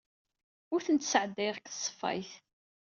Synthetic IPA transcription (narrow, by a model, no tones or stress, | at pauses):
ʊɾθənt̪səʕəd̪ːæjʁkə̥sˤːə̥fːɑ̰jθ